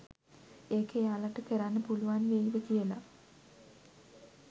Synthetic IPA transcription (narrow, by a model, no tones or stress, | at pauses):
eːkəjaːlaʈəkəɾanːəpuluʋanʋejiʋəkijəla